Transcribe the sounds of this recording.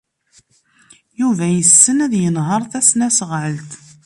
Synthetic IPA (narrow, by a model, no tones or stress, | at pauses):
juvæjəsːənæðjənɦəɾˤθæsnæsʁʕəlt̪